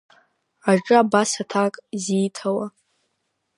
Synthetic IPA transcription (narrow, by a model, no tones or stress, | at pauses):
aʈ͡ʂʼɨabasatʰakʼziːtʰawa